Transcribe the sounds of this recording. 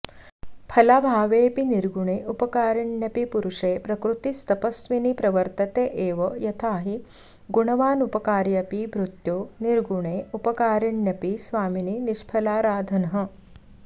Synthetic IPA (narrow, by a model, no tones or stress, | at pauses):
pʰɐlabʱaːʋeːpiniɾɡuɳeːʔupɐkaːɾiɳjɐpipuɾuʂeːpɾɐkɾut̪ist̪ɐpɐsʋinipɾɐʋɐɾt̪ɐt̪eːʔeːʋɐjɐt̪ʰaːɦi | ɡuɳɐʋaːnupɐkaːɾjɐpibʱɾut̪joːniɾɡuɳeːupɐkaːɾiɳjɐpisʋaːmininiʃpʰɐlaːɾaːd̪ʱɐnɐɦɐ̆